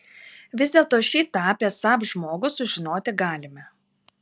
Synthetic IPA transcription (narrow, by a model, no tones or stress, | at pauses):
ʋʲɪzd̪ʲeːlˠt̪oːʃʲiːt̪ɑːpʲeːsɑːpʒmoːɡʊsʊʒʲɪnoːt̪ʲɪɡɑːlʲɪmʲɛ